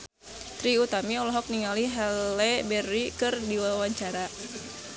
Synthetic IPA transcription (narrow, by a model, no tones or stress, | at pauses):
t̪ɾiut̪amiɔlɔɦɔk̚niŋaliɦalɛbɛrikɨrdiwawaɲt͡ʃaɾa